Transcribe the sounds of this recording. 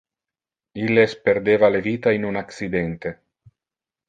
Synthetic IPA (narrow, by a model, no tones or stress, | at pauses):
ilːespeɾd̪eːvaleviːt̪ainunaksid̪ent̪e